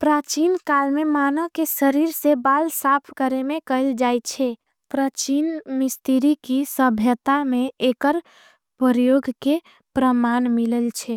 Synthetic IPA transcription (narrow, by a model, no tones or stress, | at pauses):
pɾat͡ʃinkalmemanəkesəɾiɾsebalsapʰkəɾemekəɪld͡ʒajt͡ʃʰɛ | pɾat͡ʃinmist̪iɾikisəbʱjət̪ameekəɾ | pəɾjoɡʱke | pɾəmanmiləlt͡ʃʰɛ